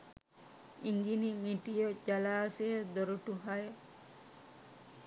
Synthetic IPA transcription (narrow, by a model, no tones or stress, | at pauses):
iŋɡinimiʈijod͡ʒalaːsejəd̪oɾuʈuɦajə